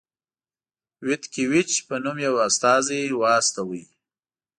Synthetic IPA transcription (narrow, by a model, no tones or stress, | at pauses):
wɪt̪kiwɪt͡ʃpənumjawast̪ɑziwɑːst̪awəj